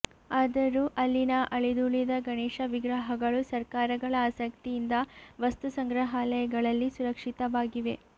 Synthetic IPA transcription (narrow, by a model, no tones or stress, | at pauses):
aːd̪ɐɾuʔɐlːinɐʔɐɭid̪uɭid̪ɐɡɐɳɛːʂɐʋiɡɾɐɦɐɡɐɭusɐɾkaːɾɐɡɐɭɐaːsɐkt̪ijind̪ɐʋɐst̪usɐŋɡɾɐɦaːlɐjɐɡɐɭɐlːisuɾɐkʂit̪ɐʋaːɡiʋe̞